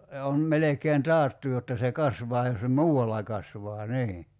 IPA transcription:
jɑ on melekeːn tɑːtːu jotːɑ se kɑsʋɑː jos se muːɑlːɑ kɑsʋɑː niː

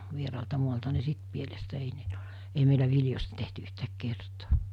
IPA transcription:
ʋierɑːltɑ muɑltɑ ni sit pielestæ ei meilæ ʋiljosʲtɑ tehty yhtæːk kertoː

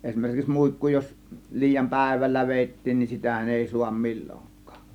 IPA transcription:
esʲmerkiks muikːu jos liːjɑm pæ̞ˑe̝ʋælːæ ʋeˑitːiːn nin sitæhæn eˑi suɑm milʲːoŋkˑɑ̥ːk

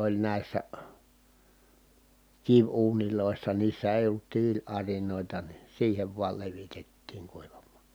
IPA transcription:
olʲ næˑi̯sːæ kiʋuːniloˑisːɑ niːsːæ eˑi olːut tiːlɑrinoˑitɑ ni siːheʋ ʋuɑl leʋitetːiːŋ kuiʋɑmːɑ̥

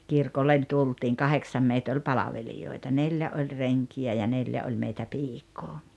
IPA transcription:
kirkolːen tultiːŋ kɑheksɑm meit olʲ pɑlɑʋelijoitɑ nelʲjæ olʲ reŋkiæ jɑ neljæ olʲ meitæ piːkˑoː

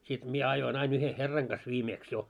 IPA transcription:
sit mie ɑjoin ɑin yhe herːɑŋ ɡ̊ɑs ʋiːmeːks jo

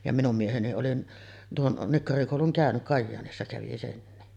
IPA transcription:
jɑ minum mieheni oli tuon nikːɑrikoˑuluŋ kæˑønyʔ kɑjːɑːnisːɑ kæʋi senːi

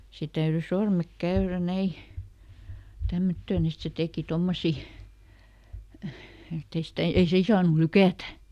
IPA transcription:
se tæyry sormek kæyræ næi tæmːøtːøːn et se teˑki tomːosi etːei stæ ei siːn sɑːnu lykæˑtæ

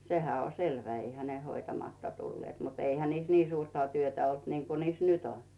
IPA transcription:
sehæ o selʋæ eihæ ne hoitɑmɑtːɑ tulːeːt mut eihæ niːs niː suːrtɑ tyøtæ olt niŋku niːs nyt on

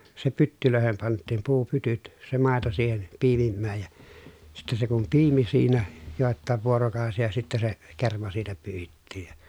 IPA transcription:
se pytːyløˑehem pɑntˑiːm puːpytyt se mɑˑeto siːhen piːmimːæːj jɑ sitːe se kum piːmi siːnæ joˑetːɑˑeʋ ʋuorokɑˑosijɑ sitːæ se kermɑ siːtæ pyːhitːiːj jɑ

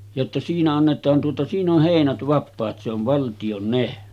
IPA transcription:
jotːɑ siːnæ ɑnːetˑɑːn tuotɑ siːn oh heˑinæt ʋɑpːɑːt se oʋ ʋɑltij̆on ne

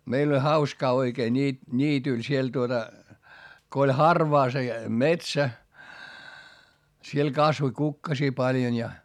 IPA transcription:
meil olʲ hɑuskɑː oikeː nʲiː nʲiːtyl siel tuotɑ ko olʲ hɑrʋɑː se metsæ siel kɑsʋoĭ kukːɑsiː pɑljon jɑ

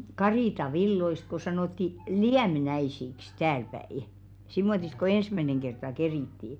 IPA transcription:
kɑriˑtɑʋilːoist ko sɑnoˑtːi liæmnæisiks tæːlpæi simːotist̆ ko ensmæneŋ kertɑ keriˑtːiː

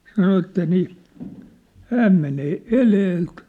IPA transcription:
sɑno etːæ niː hæːm meneː eleːlt

